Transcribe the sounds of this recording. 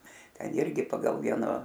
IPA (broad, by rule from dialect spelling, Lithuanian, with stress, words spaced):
ˈtʲɛn ˈɪrʲɡʲɪ ˈpɑːɡɐlˠ ˈʋʲiɛnoː